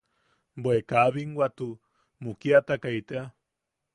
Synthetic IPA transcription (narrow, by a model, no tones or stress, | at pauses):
bwekaβiŋwat̪u | mukiat̪akait̪ea